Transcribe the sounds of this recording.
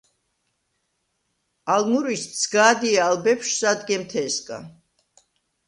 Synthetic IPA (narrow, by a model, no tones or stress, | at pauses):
almuɾissʰɡaːd̪iaːlbɛpʃsad̪ɡɛmt̪ʰɛskʼa̰